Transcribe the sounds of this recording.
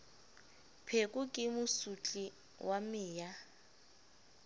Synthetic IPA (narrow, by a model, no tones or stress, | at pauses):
pʰekʼʊkʼɪmʊsut͡ɬʼi | wamɪːja